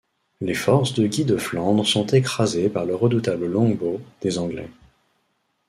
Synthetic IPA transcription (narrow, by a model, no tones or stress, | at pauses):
lefɔʁsd̪əɡʲid̪əflɑ̃d̪ʁəsɔ̃t̪ekχazepaʁləʁːəd̪ut̪abləlɔ̃ɡbod̪̥ezɑ̃ɡlɛ̰